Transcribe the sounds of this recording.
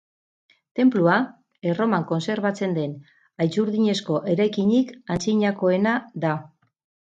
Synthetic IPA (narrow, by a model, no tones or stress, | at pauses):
t̪e̞mplua | ero̞maŋko̞nse̞ɾβat͡se̞nd̪e̞n | ajt͡suɾðiɲe̞sko̞ʔe̞ɾajkiɲikansiɲako̞e̞naða